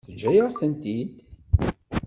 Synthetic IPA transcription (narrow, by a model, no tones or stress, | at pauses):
θəd͡ʒːæjəɾθənt̪id̪